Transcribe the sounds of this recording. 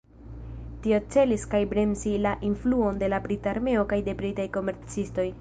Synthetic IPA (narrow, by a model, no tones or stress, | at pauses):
tio̞t͡se̞liskajbɾenzilaʔinfluo̞nde̞labɾitaɾme̞o̞kajde̞bɾitajko̞me̞ɾt͡sisto̞j